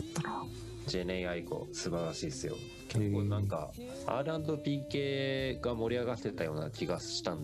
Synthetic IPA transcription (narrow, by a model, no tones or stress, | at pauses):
d͡ʑe̞ːneiaiko̞̰sɨbaɾaɕiːsɨjo̞̰ | kʲekːoːnãŋka̰ | a̰ːɾɯãnd̪o̞pʲiːkeːɡamo̞ɾʲiaɡat̪ːe̞t̪ajo̞ːna̰kʲiɡaɕi̥t̪ãnd̪